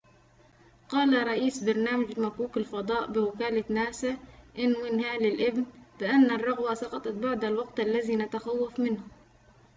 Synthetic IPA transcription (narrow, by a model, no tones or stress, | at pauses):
qɑːlaɾˤɑʔiːsbɑɾˤnaːmad͡ʒmakuːkalfɑd̪ˤɑːʔbɪwɪkaːlanaːsaʔɪnːwɪnhaːlɪlʔɪbnb̥ɪʔanːarˤːɑɣwasɑqɑt̪ˤɑt̪̚baʕd̪alwɑɡt̪ʔalːaziːnat̪axawːafmɪnhʊ